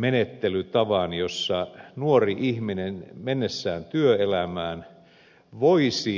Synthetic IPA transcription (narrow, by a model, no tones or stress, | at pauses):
menet̪ːelyt̪ɑʋɑnjosːɑnuoriʔihminenmenːesːæːnt̪yøelæmæːn | ʋoisi